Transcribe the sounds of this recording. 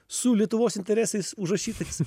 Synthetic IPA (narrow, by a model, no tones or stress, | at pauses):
sʊlʲiɛt̪ʊʋoːsɪnʲt̪ʲɛɾʲɛsɐɪsʊʒɾɐʃʲiːt̪ɐɪs